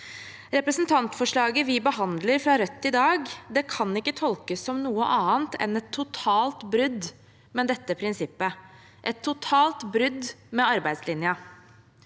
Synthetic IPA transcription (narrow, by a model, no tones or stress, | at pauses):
ɾɛpɾəsnt̪ʰɑnt̪fɔʂɭɑːɡəʋɪbəɦɑnd̪ləɾfɾɑɾœt̪ʰːɪd̪ɑːɡd̪ɛkʰɑnɪkːət̪ʰɔlkəsːɔmnuːəʔɑːənt̪ʰɛ̰nɛt̪ʰːʊt̪ʰɑːlt̪bɾʏd̪ | mɛd̪ɛt̪ːəpʰɾɪnsɪpːə | ʔɛt̪ʰːʊt̪ʰɑːlt̪bɾʏd̪mɛɑɾbæɪd̪slɪnjə